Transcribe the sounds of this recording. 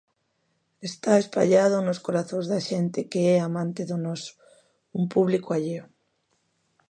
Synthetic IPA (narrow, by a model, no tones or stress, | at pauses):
est̪aespa̰ʎað̞onoskoɾaθõŋzðaʃent̪ekeeamãnt̪eðonos | umpuβlikoaʎeo